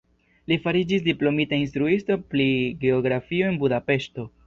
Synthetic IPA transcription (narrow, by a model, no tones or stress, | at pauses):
lifaɾid͡ʒis̬diplo̞mitainst̪ɾuistopɾiɡe̞oɡɾafio̞e̞nbudape̞ʃto̞